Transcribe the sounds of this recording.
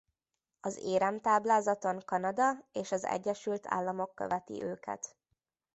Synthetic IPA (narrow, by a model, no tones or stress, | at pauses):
ɒzeːɾɛmt̪aːblaːzɒt̪o̞ŋkɒnɒd̪ɒeːʃɒzɛ̰ɟːɛʃylt̪ʰa̰ːlːɒmo̞kːø̰vɛt̪ḭʔøːkɛ̰t̪